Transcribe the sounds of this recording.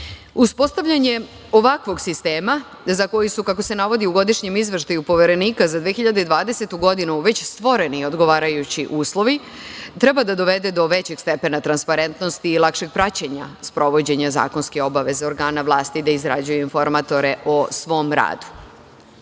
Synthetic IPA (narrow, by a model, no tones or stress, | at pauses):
uspo̞st̪aʋʎaɲe̞ | o̞ʋakʋo̞ɡsist̪eːma | zako̞jusukako̞se̞naʋo̞d̪iuɡo̞d̪iʃɲe̞mizʋeʃt̪ajupo̞ʋe̞ɾe̞niːkazad̪ʋeexiʎad̪eid̪ʋaːd̪ese̞t̪uɡo̞d̪inuʋe̞t͡ɕst̪ʋo̞ɾe̞nio̞d̪ɡo̞ʋaːɾajut͡ɕiʔuːslˠo̞ʋi | t̪ɾe̞bad̪ad̪o̞ʋe̞d̪e̞d̪o̞ʋe̞t͡ɕe̞ɡst̪e̞pe̞nat̪ɾanspaɾe̞nt̪no̞st̪iːlˠakʃe̞ɡ̚pɾat͡ɕeɲa̰spɾo̞ʋo̞d͡ʑe̞ɲaza̰ːko̞nskeo̞baʋe̞zeo̞ɾɡaːnaʋlˠaːst̪id̪aizɾa̰d͡ʑujuinfo̞ɾmat̪o̞ɾe̞ʔo̞sʋo̞mɾa̰ːd̪u̥